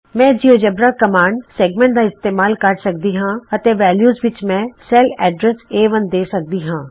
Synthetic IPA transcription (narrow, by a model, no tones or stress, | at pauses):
mɛ̃ːd͡ʒiod͡ʒɐbɾakɐmaːɳɖseːɡmẽɳʈ̚d̪aːɪst̪eːmaːlkɐɾsɐk̚d̪iɦãːɐt̪eʋɛːljuːzʋɪt͡ʃmɛ̃ːsɛlɛːɖɾɛseːʋɐnd̪eːsɐk̚d̪iɦãː